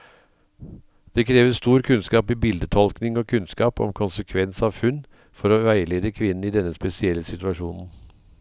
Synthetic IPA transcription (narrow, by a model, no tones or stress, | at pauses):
d̪̥ɛkʰɾeːʋəst̪uːɾkʰʉnskɑːpibɪld̪ət̪ʰɔlknɪŋɔːkʰʉnskɑːpɔ̰mkʰʊnsəkʰʋɛnsɑːʋhʉn | fɔɾoːʋæɪəleːd̪əkʰʋɪnn̩ɪd̪ɛnːəspɛsɪɛlːəsɪt̪ʉɑʂuːnn̩